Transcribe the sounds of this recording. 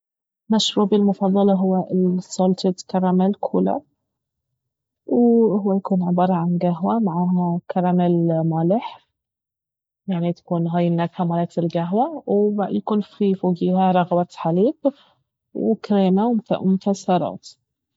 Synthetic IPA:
maʃɾuːʕbɪlmʊfɑðˤːɑlɑɦʊwːaɪsolt̪ɪt̪kɑɾˤːɑmalkʰṵːla̰ | whʊwːajakuːnʕɪbɑːɾˤɑʕanɡaɦwamaʕaːhakɑɾˤɑmɪlmaːlɪħ | jaʕnit̪ḁkuːnɦaːjɪlːak̪hamaːlaːk̪ɪlɡaɦwawjakuːnfifoːɡiːhaɾˤɑɣwat̪ħaliːb | wkɾeːmaw̰mʊt̪asɑɾˤɑ̰ːt̪

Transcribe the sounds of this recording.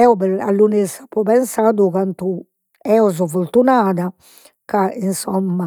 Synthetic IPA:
ɛɔbɛɾa̰lːunisapːɔβɛnsad̪ukant̪u | ɛɔzɔvult̪unad̪a | kainsɔmːa

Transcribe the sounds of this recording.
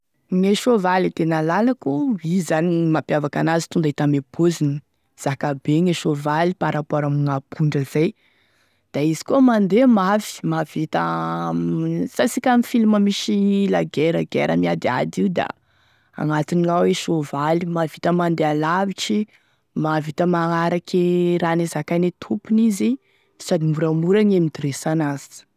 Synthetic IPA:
ŋeʃovalit̪enəlalakuizanimapjavakanazit̪und̪ait̪ameb̥ozini | z̥akabeŋeʃovalipaɾapwaɾamŋapʰuɳɖ͡ʐəzaj | d̪̥aizi̥kuəmand̪emafi̥mav̥it̪a | sasikʲamifiluməmiʃilaɡeɾaɡḛɾʔə̰miad̪ia̰d̪iud̪a̰ | a̰ŋat̪iniŋaweʃovalimavit̪əmand̪ealaviʈ͡ʂi | mavit̪əmaŋaɾakiɾanezakajnet̪ʰupunizi | sad̪imuɾamuɾaɲemid̪ɾesanaz̥i̥

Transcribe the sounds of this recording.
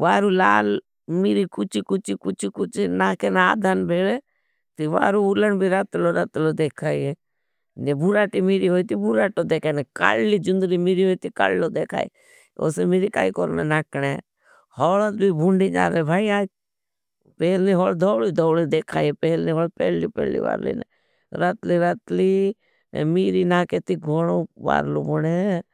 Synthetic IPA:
ʋaːɾuːla̰ːl | mɪɾikʊt͡ʃʰikʊt͡ʃikʊt͡ʃʰikʊt͡ʃinaːkenaːd̪ʱanbʱeːɭe | t̪iʋa̰ːɾuʊlənbʱiɾat̪loɾat̪lod̪eːkʰaːie | nebuɾaːʈimiɾiːɦoːit̪ibʊɾaːʈod̪eːkʰaːneka̰lliːd͡ʒʊnd̪ɾimiɾiɦoːit̪ika̰lːloːd̪eːkʰa̰ːḭ | o̰ːsemeːɾika̰ːikoɾmḛnaːkɽe | hɔːlət̪bibʱʊɳɖiːd͡ʒa̰ːlebʱaːiaː | peːlniɦɔːld̪ʱɔːliːd̪ʱɔːwlid̪eːkʰaːiɛpɛːlnĩːɦoːlpɛ̰ːliːpɛ̰ːlḭʋa̰ːɾlḭːnɛ̰ | ɾət̪liːɾat̪lḭː | miːɾinaːket̪iɡʱoɽ̃oːʋa̰ːɾlo̰ːbɔɽe

